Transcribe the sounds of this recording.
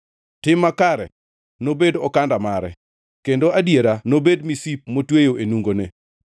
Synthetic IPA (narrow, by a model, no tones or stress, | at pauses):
tɪmːakaɾɛ̰ | nobedɔkandamaɾɛ | kendoadjeɾanobedmisip̚motwejoʔenuŋɡone